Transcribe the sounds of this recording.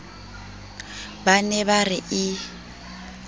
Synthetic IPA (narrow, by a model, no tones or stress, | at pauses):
banɛbarɪʔɪ